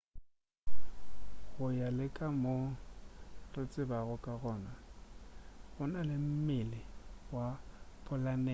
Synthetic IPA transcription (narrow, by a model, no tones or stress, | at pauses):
ɣʊjalɪkʼamo | rɪt͡sʼɪbaɣʊkʼaɣɔːna | ɣʊnalɪm̩mɪlɪwapʰʼʊlanɛ